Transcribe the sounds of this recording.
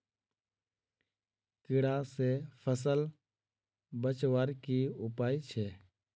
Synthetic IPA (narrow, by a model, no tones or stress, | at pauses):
kɪɽasepʰəs̬əl | bət͡ʃʋaːɾkiʊpaːit͡ʃʰeː